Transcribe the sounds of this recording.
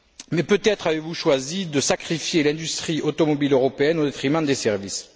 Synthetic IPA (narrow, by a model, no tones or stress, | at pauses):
mɛpøt̪ɛt̪χavevuʃwazid̪əsakχifjelɛ̃d̪yst̪χiʔot̪ɔmɔbiløʁɔpeɛnod̪et̪χimɑ̃d̪esɛʁvis